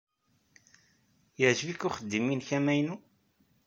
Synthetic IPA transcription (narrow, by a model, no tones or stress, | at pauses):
jəʕʒəvikːʊχəd̪ːiminçæmæjnu